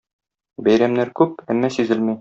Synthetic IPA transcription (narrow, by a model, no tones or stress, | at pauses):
bæjɾæmnæɾkʉpæmːæsizɘlmij